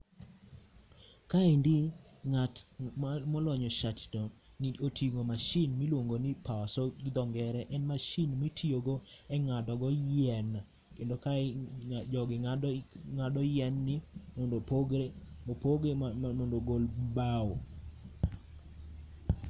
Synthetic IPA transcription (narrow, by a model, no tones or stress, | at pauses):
kaindi | ŋat | mɔlɔɲɔʃatdɔniotʰiɡomaʃɪnmilwoŋɡonipawasɔɡɪd̪ɔŋɡɛɾɛʔɛnmaʃinmitʰioɡɔɛŋadɔɡɔjɛna | kendoka | d͡ʒɔɡɪ | ŋadɔjɛnːɪmondopoɡemopoɡemondoɡolbawo